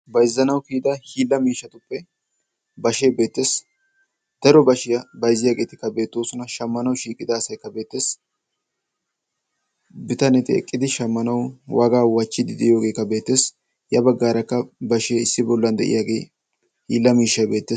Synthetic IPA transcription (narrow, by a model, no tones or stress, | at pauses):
bɐjzːɐnɐwkiːd̪ɐhiːlːɐmiːʃːɐt̪ʊpːɛ | bɐʃeːbe̞ːt̪ːe̞ːs | d̪̥ɐɾɔbɐʃɪjɐbɐjzːɪjaːɡe̞ːt̪ɪkːɐbe̞ːt̪ːoːsʊnɐʃɐmːɐnɐwʃiːkʼɪd̪ɐːsɐjkːɐbe̞ːt̪ːeːs | bɪt̪ɐnɛt̪ɪɛ̰kʼːɪd̪ɪʃɐmːɐnɐwwʔɐɡaːwɐt͡ʃːɪd̪ɪd̪ɪjo̞ːɡe̞ːkːɐbe̞ːt̪ːe̞ːs | jɐbɐɡːaːɾɐkːɐbɐʃeːɪsːɪbɔlːɐnd̪ɛ̰ʔɪ̰jaːɡe̞ː | hḭːlːɐmiːʃːɐjbe̞ːt̪ːeːs